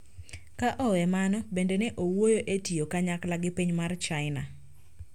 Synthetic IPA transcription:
kaʔɔwɛmanɔbendeneʔowwojoʔetiokaɲaklaɡɪpiɲmart͡ʃaɪna̰

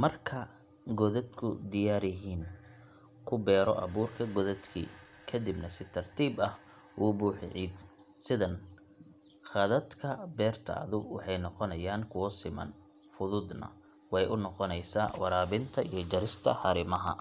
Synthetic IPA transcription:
mɐrkʰɐ | ɡɔðɐd̪kʰʊ̰d̪ɪjaːɾɪɦiːn | kʰʊbɛːɾɔ̰ʔɐβuːrkʰɐɡɔðɐd̪kʰḭː | kʰɐd̪ibnɐsɪt̪ʰɐrt̪ʰiːbɐh | wuːbuːħɪʕiːd̪ | sɪðɐn | χɑðɐd̪kʰɐbɛːrt̪ʰɐ̰ːðʊwɑħɑjnɔqɔnɐjaːŋkʰʊwɐsɪmɐ̰n | fʊðʊd̪nɐ̰ | wɑjʔʊnɔqɔnɛjsa̰ːwɑɾaːβɪnt̪ʰɐijɞd͡ʒɐɾɪst̪ʰɐ̰ħɑɾɪmɐɦɐ̰

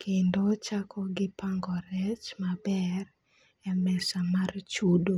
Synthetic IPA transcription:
kʰendot͡ʃakʰɔɡɪpaŋɡɔɾɛt͡ʃmabɛr | ɛmɛsamart͡ʃudo

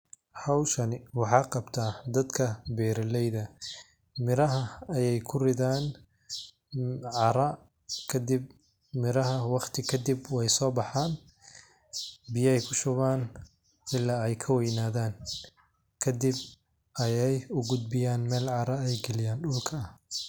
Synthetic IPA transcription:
hɑwʃɐnɪwɑħɑːqɑbt̪ʰaːd̪ɐd̪kʰɐbɛːɾɐlɛjðɐ | mɪɾɐɦɐɐjɛjkʰʊrɪðaːn | ʕɑɾɐ | kʰɐd̪ɪb̚ | mɪɾɐɦɐwɑqt̪ʰɪkʰɐd̪ibwɛjsɔːbɑħaːn | bɪjɐɛjkʰʊʃʊβaːn | ɪlːaːɛjkʰɐwɛjnaːðaːn | kʰɐd̪ɪb̚ | ɐjɛjʊɡʊd̪̚bɪjaːnmɛːlʕɑɾɐɛjɡɛlɪjaːnɗʊlkʰɐɐh

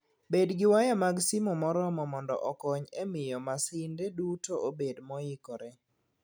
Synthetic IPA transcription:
bedɡɪwajamaɡsimomɔɾɔmɔmɔndɔ̰ʔɔkɔɲemɪjɔmasɪndedutoʔobedmɔjɪkoɾe

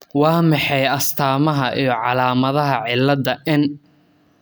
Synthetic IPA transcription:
wɑːmɑħɑjɐst̪ʰaːmɐɦɐʔijɞʕɑlaːmɐðɐɦɐʕɪlːɐd̪ɐʔɪn

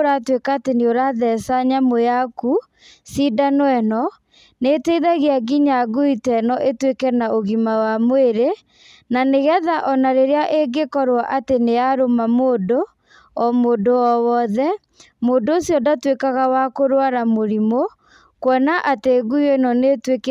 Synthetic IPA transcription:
ɾatwekaːteneoɾaðɛsaɲamojaku | sidanoɛnɔ | neteiðaɣeaɣiɲaɣuitɛnɔʔetwekɛnaʔoɣimawamweɾe | naneɣɛðaʔɔnaɾeɾeaʔeɡekɔɾwaʔateneaɾomamoːdo | ɔmoːdoɔwɔðɛ | modoosjɔdatwekaɣawakoɾwaɾamoɾimo | kwɔnaʔateɣuiɛnɔnetwek

